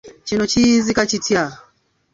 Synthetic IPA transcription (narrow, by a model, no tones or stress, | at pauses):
t͡ʃinɔt͡ʃizikat͡ʃitja